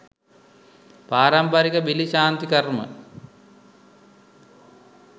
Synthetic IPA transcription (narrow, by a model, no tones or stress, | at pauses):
paːɾɐmpɐɾikəbiliɕaːnt̪ikɐrmə̰